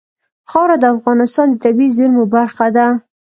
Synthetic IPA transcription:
xɑwɾad̪əafɣɑnɪst̪ɑnd̪ət̪abizʊɾmobaɾxad̪a

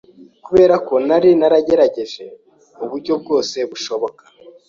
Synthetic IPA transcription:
kuβe̞ːɾako̞naɾinaɾaɟe̞ɾaɟe̞ʒe̞ | uβuɾɟo̞b̚ɡo̞ːse̞βuʃo̞βo̞kḁ

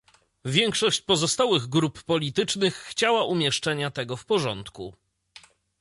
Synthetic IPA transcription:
vʲjɛŋkʂɔɕt͡ɕpɔzɔst̪awɘɣɡɾupːɔlʲit̪ɘt͡ʂnɘxːt͡ɕawaʔumʲjɛʂt͡ʂɛɲat̪ɛɡɔfpɔʐɔnt̪kṵ

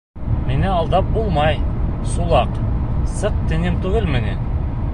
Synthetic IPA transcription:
minɘɑlˠd̪ɑp̚bulˠmɑjsulˠɑqsɤq̚t̪ɘ̆nɘmt̪ʉɡɘlmɘ̆næn

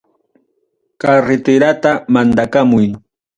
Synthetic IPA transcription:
kaɾɪt̪ɪɾat̪amand̪akamʊj

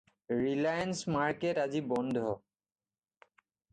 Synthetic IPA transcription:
ɹilajansmaɹketazibɔnd̪ʱɔ

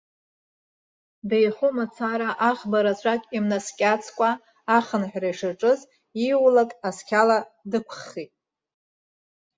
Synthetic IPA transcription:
bejχumat͡sʰaɾaʔaχbaɾat͡ɕʷʰʼakʲʼimnaskʲʼat͡sʰkʷʼaː | χənħʷᶣrajʂaʈ͡ʂʼɨz | iwlakʼaskʲʰaladɨkʷʰχitʼ

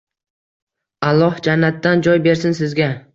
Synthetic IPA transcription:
alˠːɒhd͡ʒanːat̪ːand͡ʒɒjbe̞ɾs̬ɪnsɪzɡʲa

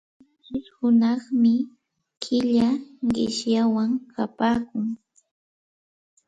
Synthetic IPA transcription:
aʃɪshʊnɑχmɪ | kʰɪʎaɢɪʃjawaŋkʰapaːkʊŋ

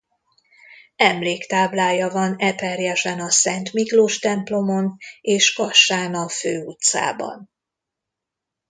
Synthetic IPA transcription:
ɛmleːkt̪aːblaːjɒvɒnɛpɛrjɛʃɛnɒsɛnt̪mikloːʃt̪ɛmplo̞mo̞neːʃkɒʃːaːnɒføːut̪sa̰ːbɒ̰n

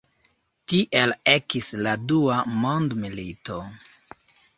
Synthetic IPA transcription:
tiʔele̞kisladuamo̞ndmilito̞

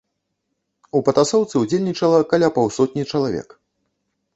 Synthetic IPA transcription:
upɐt̪asɔwt̪sɨud͡zʲelʲnʲit͡ʂɐlˠɐkalʲapawsɔt̪̚ʲnʲit͡ʂɐlˠavʲɛ̰k

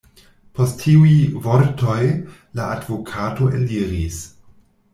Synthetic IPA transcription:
postːiujvoɾtoj | laadvokʰato̞ʔḛliɾis

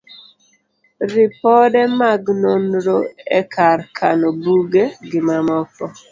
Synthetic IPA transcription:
ɾɪpɔdɛmaɡnonɾoɛkʰarkʰanɔbuɡeɡɪmamɔpɔ

